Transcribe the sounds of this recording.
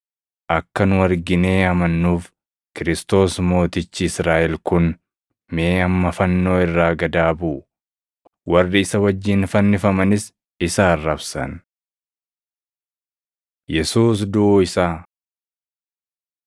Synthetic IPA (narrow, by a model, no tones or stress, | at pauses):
ʔɐkːɐnʊɐɾɡɪne̞ːɐmɐnːuːf | kɪɾɪst̪o̞ːsmo̞ːt̪ɪt͡ʃːɪɪsɾaːʔɛlkʊn | meːɐmːɐfɐnːo̞ːɪrːaːɡɐd̪aːbuː | wɐrːɪɪsɐwɐd͡ʒːɪnfɐnːɪfɐmɐnɪs | ɪsaːrːɐbsɐ̰n | jɛsuːs̬d̪ʊʔɪsaː